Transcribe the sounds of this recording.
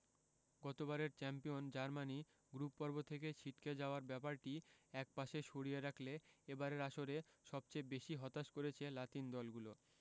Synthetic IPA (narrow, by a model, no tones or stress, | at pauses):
ɡɔt̪obaɾeɾt͡ɕɛmpijond͡ʑaɾmani | ɡɾupːɔɾbot̪ʰeket͡ɕʰiʈked͡ʑaoaɾbɛpaɾʈiɛk̚paʃeʃoɽijeɾakʰleebaɾeɾaʃoɾeʃɔb̚t͡ɕebeʃiɦɔt̪aʃkoɾet͡ɕʰelat̪ind̪ɔlɡulo